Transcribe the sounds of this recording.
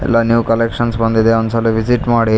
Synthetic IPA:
ɛ̰lːanjuːkɐlekʂɐnsbɐnd̪id̪eɔnd̪sɐliʋiziʈmaːɽi

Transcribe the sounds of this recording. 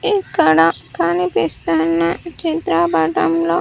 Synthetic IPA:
ikɐɽɐkanipist̪ɐnːɐt͡ʃit̪ɾabaːʈɐmloː

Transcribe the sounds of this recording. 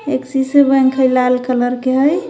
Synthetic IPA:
eksisebə̃ŋkʰəjlalkələɾkeɦəj

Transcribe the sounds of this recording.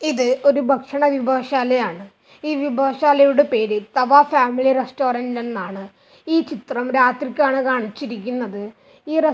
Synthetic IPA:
iðɨo̞ɾubʱɐkʂɐɳɐʋibʱaːʂaːlɐjaːɳɨ | iːʋibʱaːʂaːlɐjuɽe̞pe̞ːɾɨt̪ɐʋaːfaːmiliresto̞ːɾɐndnenːaːɳɨ | iːt͡ɕit̪rɐmɾaːt̪rikʲːaːɳɨkaːɳit͡ɕːiɾikʲːunːɐðɨ | iːre

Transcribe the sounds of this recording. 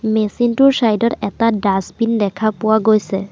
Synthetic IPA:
mesintʊɹsajdɔtɛtadasbindɛkʰapʊwaɡojsɛ

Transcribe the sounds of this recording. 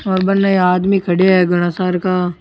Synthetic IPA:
ɔːɾbɐɾnːaeaːd̪mikʰɐɽeɛɡʊɽ̃asaːɾka

